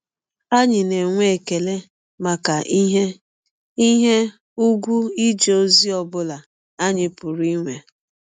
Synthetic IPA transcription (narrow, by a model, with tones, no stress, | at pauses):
a˦ɲɪ˨ne˨ŋʷe˦˨ke˨le˦ | ma˨ka˨˦ɦe˦ | i˦ɦe˦ | u˦ɡʷu˦i˦d͡ʒe˨o˦zi˦ɔ˨bʊ˦la˨ | a˦ɲɪ˨pʊ˨ɾi˦ŋʷe˨